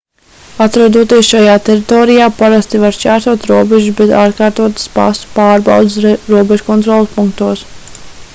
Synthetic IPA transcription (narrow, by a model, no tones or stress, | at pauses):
at̪ɾad̪uɔt̪iɛsʃajaːt̪ɛɾit̪ɔːɾijaːpaɾast̪ivaɾsʲt͡ʃæːɾsuɔt̪ɾuɔbɛʒusbɛt̪aːɾkaːɾt̪uɔt̪spa̰st̪u̥paːɾba̰wd̪sɾuɔbɛʒukɔnt̪ɾɔlˠspuŋk̚t̪uɔs